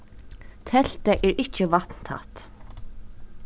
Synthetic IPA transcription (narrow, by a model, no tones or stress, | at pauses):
t̪ʰɛl̥t̪aʔɛːɹʔɪt͡ɕəvat̪n̥t̪ʰa̰ht̪